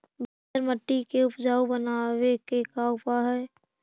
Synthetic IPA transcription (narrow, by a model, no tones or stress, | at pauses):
bɪt̪əɾməʈːikeʊpd͡ʒaːubənawekekaʊpaɦɛː